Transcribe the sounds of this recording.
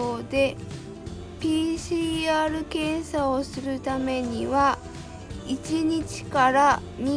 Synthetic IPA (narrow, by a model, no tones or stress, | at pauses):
oːd̪e̞ | pʲiːɕiːaːɾɯ̟kẽ̞ɰ̃sao̞sɨɾɯ̟t̪ame̞ɲ̟iβa | it͡ɕiɲit͡ɕi̥kaɾa | ɲi